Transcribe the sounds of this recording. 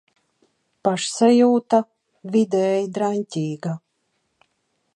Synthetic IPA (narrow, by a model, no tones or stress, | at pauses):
paʃsajuːt̪a | vid̪ɛːjd̪ɾanʲtʲiːɡa